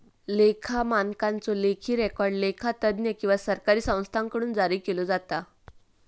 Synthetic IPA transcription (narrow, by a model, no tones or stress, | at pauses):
lekʰamankant͡solekʰiːɾɛkɔɾɖlekʰat̪əd̪njəkĩw̃ʋasəɾkaɾiːsə̃w̃st̪ʰaŋkəɽuːnd͡zaɾiːkelod͡zat̪a